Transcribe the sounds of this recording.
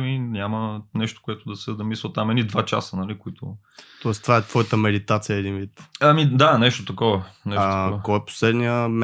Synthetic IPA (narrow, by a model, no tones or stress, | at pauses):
minʲamənɛʃt̪o̥kʊɛt̪ʊd̪ɐsɛd̪ɐmislət̪amɛnid̪vat͡ʃa̰sənɐlikoit̪o̰ | t̪ɔɛst̪vaɛt̪vɔjət̪əmɛd̪it̪at̪sijəɛd̪invit̪ɐmid̪anɛʃt̪ot̪ɐkɔvɐnɛʃt̪ɔkɔɛpo̥slɛd̪niəm